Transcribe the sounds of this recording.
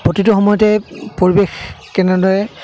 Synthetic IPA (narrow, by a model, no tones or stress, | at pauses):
pɹotitʊxɔmɔjɔtɛpoɹibexkɛnɛdɔjɛ